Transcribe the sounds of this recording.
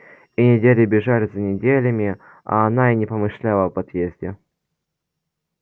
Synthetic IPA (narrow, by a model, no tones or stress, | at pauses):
inʲɪdʲelʲɪbʲɪʐalʲɪzənʲɪdʲelʲəmʲɪ | a̰ːnainʲɪpəmɨʂlʲalˠəbɐt̪jezʲdʲɪ